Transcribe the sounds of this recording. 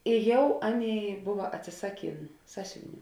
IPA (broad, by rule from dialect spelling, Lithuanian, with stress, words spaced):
ɪ ˈjɛʊ ˈɑːˌnʲeːɪ ˈbʊʋɐ ɐtʲsʲɪˈsɑːˌkʲeːn ˈsɑːsʲʊʋʲɪˌnʲuː